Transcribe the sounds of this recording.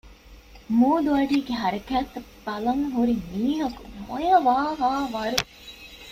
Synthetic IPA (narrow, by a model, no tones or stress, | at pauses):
muːd̪uɐɖiːɡeɦɐɾɐkæːt̪ːɐ | b̥ɐlɐŋɦuɾimiːɦɐkumojɐʋaːɦaːʋɐɾu